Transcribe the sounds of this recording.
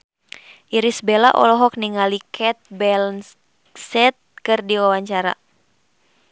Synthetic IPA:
ʔiɾisbela̰ʔɔ̰lɔɦɔk̚niŋalikʰɛt̪̚bɛln | sɛt̪̚kɨrdiwawaɲt͡ʃaɾa̰

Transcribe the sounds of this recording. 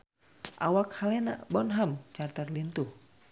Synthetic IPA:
ʔa̰wakhalɛna̰ʔbɔnɦamt͡ʃart̪ərlint̪uh

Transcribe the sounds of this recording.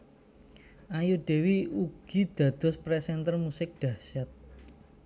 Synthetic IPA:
ʔajuɖ̥e̤wiuɡ̥i̤d̪̥ä̤d̪̥ʊ̤spɾɛsɛnt̪ərmusɪk̚ɖ̥ä̤sɛt̪̚

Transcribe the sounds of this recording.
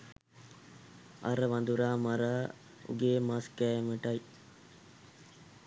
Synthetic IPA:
ʔɐɾəʋɐnd̪uɾaːmɐɾaː | ṵɡeːmaskæːeməʈɐj

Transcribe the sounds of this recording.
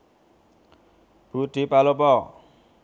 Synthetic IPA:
b̥ud̪̥i̤palopɔ

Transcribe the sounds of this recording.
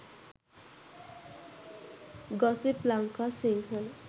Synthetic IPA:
ɡɔsiplaŋkasiŋɡɦel

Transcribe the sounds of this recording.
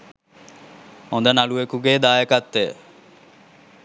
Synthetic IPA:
hond̪ənaluekuɡeːd̪aːjəkat̪ːejə̰

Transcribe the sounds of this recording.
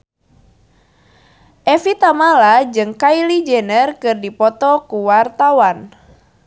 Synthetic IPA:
ʔɛfit̪amalad͡ʒɨŋkailid͡ʒɛnərkɨrdipɔt̪ɔkuwart̪awan

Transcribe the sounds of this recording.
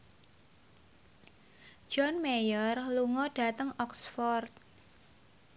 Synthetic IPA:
d͡ʒ̥ɔnmejərluŋɔɖ̥a̤t̪əŋɔksfɔrt̪̚

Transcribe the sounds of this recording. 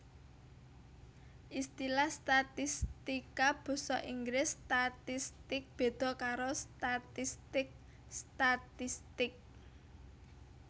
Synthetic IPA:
ʔist̪ilahst̪at̪ist̪ikab̥ɔ̤sɔ̰ʔiŋɡɾɪst̪at̪ist̪ɪk̚b̥e̤d̪̥ɔ̤kaɾost̪at̪ist̪ɪk̚ | st̪at̪ist̪ɪk̚

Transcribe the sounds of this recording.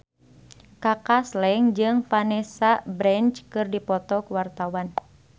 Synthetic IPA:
kakaslɛŋd͡ʒɨŋpanɛsabɾɛnt͡ʃkɨrdipɔt̪ɔkuwart̪awan

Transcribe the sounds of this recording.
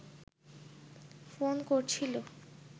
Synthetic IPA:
fonkoɾt͡ɕʰilo

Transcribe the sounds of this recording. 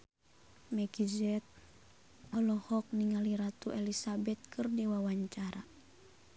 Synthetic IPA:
mɛɡizɛt̪̚ | ɔlɔhɔk̚niŋaliɾat̪uʔɛlisabɛt̪̚kʰɨrdiwawaɲt͡ʃaɾa

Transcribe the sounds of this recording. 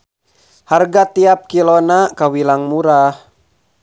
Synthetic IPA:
harɡat̪iap̚kilonakawilaŋmuɾah

